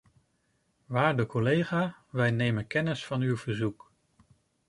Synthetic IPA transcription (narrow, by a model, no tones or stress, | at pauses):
ʋaːɹdəkɔlejχaːʋɛjnejmənkɛnɪsfɑnywv̥əɹzuk